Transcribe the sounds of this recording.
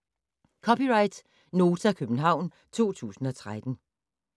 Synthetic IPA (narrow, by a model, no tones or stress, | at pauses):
kʰɒ̽pʰiʁɑ̈ɪd̥ | no̝ːt͡sʰækʰøb̥n̩ɦɑ̈ʊ̰n | t͡sʰo̝̰ːt͡sʰṵːsn̩ɒ̽t͡sʰʁad̥n̩